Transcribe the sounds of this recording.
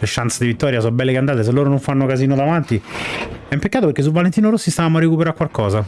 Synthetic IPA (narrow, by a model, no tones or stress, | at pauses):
leʃːant̪sad̪ivit̪ːɔːɾjas̬ɔbɛlːekeand̪aːt̪es̬elːoːɾonoɱfanːokaziːnod̪avant̪i | ɛimpekːaːt̪opeɾk̟es̬ːulvalent̪inoɾosːist̪avaːmoarːekupeɾakwalkɔːza